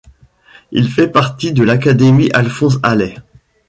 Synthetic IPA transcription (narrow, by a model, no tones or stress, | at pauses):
ḭlfɛpaʁt̪id̪əlakad̪emiʔalfɔ̃s̬alɛ